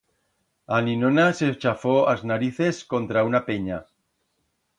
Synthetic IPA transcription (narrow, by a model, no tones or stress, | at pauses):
aninonaset͡ʃafoaznaɾiθeskont̪ɾaunapeɲa